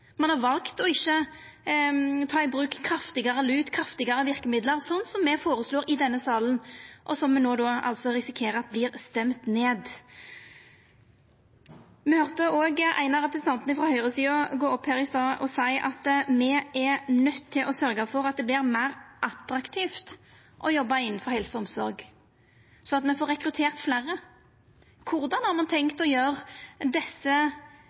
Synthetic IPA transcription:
mɑnhɑʁʋɑlkt̪ɔɪçːə | t̪ʰɑːɪbɾʉːkkʰɾɑft̪ɪɡɑʁəlʉːt̪kʰɾɑft̪ɪɡɑɾəʋɪʁkəmɪd̪ləʁsɔnːsɔmːɛfoːɾəsloːɾɪd̪ɛnːəsɑːlən̩ʔɔsɔmːɛnoːd̪oːɑ̰lsɔʁɪsɪkʰeːɾəɑt̪̚bliːʁst̪ɛmt̪neːd̪ | mɛhœʁt̪əoːɡʔæ̰ɪnɑʁɛpɾəsn̩t̪ɑnt̪ənəfɾɑhœʏʁəsiːɑɡoːɔphæːʁɪst̪ɑːʔɔ̰sæɪʔɑt̪mɛɛnœt̪ʰːɪlʔɔsœɾɡɑfɔʁɑt̪̚d̪ɛblɪːʁmæɪʁʔɑt̪ɾɑkt̪ʰiːft̪ | ʔɔjɔbːɑɪnːnfɔʁhɛlsəɔmsɔɾɡ | sɔɑt̪mɛfoːɾɛkɾʉt̪ʰeːʁt̪flæːʁə | kʰʊʁd̪ɑnhɑʁmɑnt̪ʰɛŋkt̪ɔjøːʁd̪ɛsːə

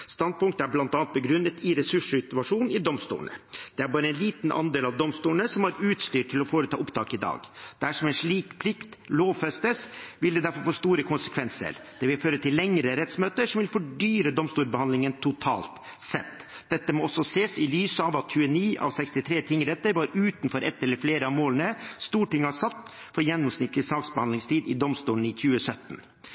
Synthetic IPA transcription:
st̪ɑnd̪̚pʊŋk̚t̪əæɾblɑnt̪ɑnt̪̚bəɡɾʉnːət̪ɪɾɛsʉʂʉt̪ʊʋɑʂuːnɪd̪ɔmst̪ṵːɳə̰d̪̥ɛæɾbɑːɾəɛnliːt̪n̩ʔɑ̰nd̪eːlɑʋd̪ɔmst̪uːɳəsɔmɑɾʉːt̪st̪yːʈʰɪlɔfoːɾət̪ʰɑ̰ːʔʊpt̪ʰɑ̰ːkɪd̪ɑ̰ːɡd̪̥æʂɔmɛnʂɭiːkpʰlɪkt̪loːʋfɛst̪əsʋɪld̪ɛd̪æɾfɔɾfoːst̪uːɾəkʰʊnsə̥kʰʋɛnsə̰ɾd̪̥ɛʋɪlføːɾət̪ʰɪllːɛŋɾəɾɛt̪smøːt̪əʂɔmʋɪlfɔɖyːɾəd̪ɔmst̪uːɾbəhɑnɪŋənt̪ʰʊt̪ʰɑ̰ːlt̪ | sɛ̰t̪ː | d̪̥ɛt̪ːəmɔɔsɔseːsɪlyːsəɑʋɑt̪çʉːəniːʔɑ̰ʋsɛkst̪ɪt̪ʰɾeːt̪ʰɪŋːɾɛt̪ːəɾʋɑːɾʉːt̪nfɔɾʔɛ̰t̪ːɛlːəɾfleːɾəɑʋmoːlənəst̪uːʈɪŋːɑsɑt̪ː | fɔɾjɛnːɔmsnɪt̪ʰːlɪsɑːksbəhɑnd̪ɪŋst̪ʰiːd̪ɪd̪ɔmst̪uːɳ̩ɪçʉːəsœt̪n

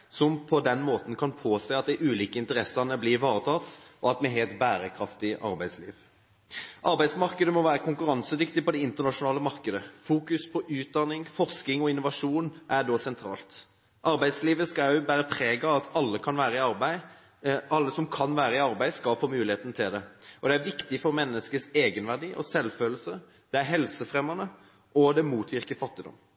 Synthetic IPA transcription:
sɔmpʰɔd̪ɛnmoːt̪n̩kʰɑnpʰoːseːɑt̪̚d̪æɪʔʉːliːkəɪnt̪əɾɛsɑnəblɪɾʋɑːʁət̪ʰɑt̪ːʔɔɑt̪mɛɦeːlt̪bæːɾəkʰʁɑft̪ɪʔɑ̰ɾbæɪd̪slḭːʋ | ʔɑɾbæɪsmɑʁkəd̪əmɔʋæːɾəkʰʊŋkʉɾɑnsəd̪ʏkt̪ɪpɔd̪ɛɪnt̪əʁnɑʂʊnɑːləmɑʁkəd̪əfuːkʉspʰɔʔʉːt̪̚d̪ɑnɪŋfɔʁskɪŋɔɪnːʊʋɑʂuːnʔæɖ̪ɔsɛnt̪ʰɾɑ̰ːlt̪ | ʔɑɾbæɪd̪sliːʋəskɑbæːɾəpʰɾeːɡɑɑt̪ʰɑlːəkʰɑnʋæːɾəɪɑɾbæɪ | ɑlːəsɔmkʰɑnʋæːɾəɪɑɾbæɪskɑlfoːmʉːlɪeːt̪nət̪ʰɪld̪ɛɔd̪ɛæɾʋɪkt̪ɪfɔɾmɛnːəskəseːɡənʋæʁɖiːʔɔ̰sɛlføːl̩sə | d̪̥ɛæɾɦɛlsəfʁɛmːɑnə | ʔɔd̪ɛmuːt̪ʰʋɪʁkəfɑt̪ːɪd̪ɔ̰mː

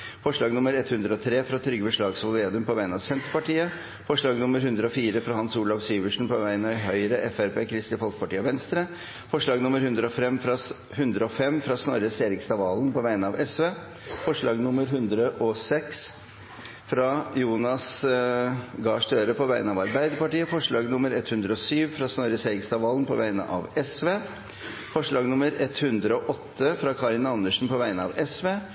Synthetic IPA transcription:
fɔʂɭɑːɡnʊməɾɛt̪hʉnd̪ɾəɔt̪ʰɾeːfɾɑt̪ʰɾʏɡːəbəʂɭɑːɡsʋʊleːd̪ʉmpɔʋæɪənɑʋsɛnt̪ɾpɑʈiːə | fɔʂɭɑːɡnʊmːəɾhʉnd̪ɾəɔfiːɾəfɾɑhɑnsuːlɑʋsyːʋəʂn̩pɔʋæɪənɪɦœʏɾəʔɛfæɾpeːkʰɾɪst̪ɪfɔlkə̥pɑʈiːəʋɛnst̪ɾə | fɔʂɭɑːɡnʊməɾhʉnd̪ɾəɔfɛmːfɾɑ | hʉnd̪ɾəɔfɛmːfɾɑsnɔɾəseːɾɪkst̪ɑʋɑːlnpɔʋæɪənəɑʋɛsʋeː | fɔʂɭɑːɡnʊmːəɾɦʉnd̪ɾəʔɔsɛks | fɾɑjuːnɑs | ɡɑːʂʈ̪øːɾəpʰɔʋæɪənəɑʋɑɾbæɪd̪əɾpɑʈiːəfɔʂɭɑːɡnʊməɾɛt̪hʉnd̪ɾəɔsyːʋfɾɑsnɔɾəseːɾɪkst̪ɑʋɑːlnpʰɔʋæɪnə̰ʔɑ̰ʋɛsʋeː | fɔʂɭɑːɡnʊməɾɛt̪hʉnd̪ɾəɔʔɔt̪ʰːəfɾɑkʰɑɾɪnɑnːəʂn̩pɔʋæɪənəɑ̰ʋɛsʋeː

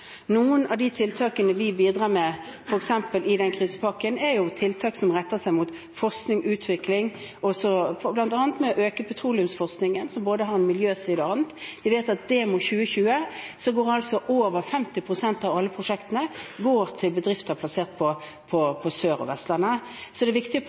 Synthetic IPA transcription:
nuːənʔɑʋd̪ɪt̪ʰɪlt̪ʰɑːkənəʋɪbiːd̪ʁɑːmɛfɔɾɛksɛmpəlʔɪd̪ɛnkʰʁiːsə̥pʰɑkːənɛɾjʊt̪ʰɪlt̪ʰɑːksɔmʁɛt̪ːəsæɪmʊt̪ | fɔʁsknɪŋʔʉːt̪ʰʋɪklɪŋ | ɔsɔblɑnt̪ɑːnət̪mɛɔʔøːkəpʰɛt̪ʰʁuːlɪʉmsfɔʁsknɪŋənsɔmboːd̪əɦɑɾɛnmɪljøːsiːd̪əɑnt̪ʋɪʋeɪt̪ɑt̪̚d̪ɛmʊt̪çʉːəçʉːəsɔɡoːɾɑlsɔʔoːʋəʁfɛmt̪ɪpʰʁʊsɛnt̪ɑʋɑlːəpʰʁʊʂɛkt̪ənəɡoːɾt̪ʰɪlbəd̪ʁɪft̪əpʰlɑseːʁt̪̚pʰɔ | pʰɔpʰɔsøːɾɔ̰ʋɛst̪ləʁnə | sɔd̪ɛʋɪkt̪ɪ

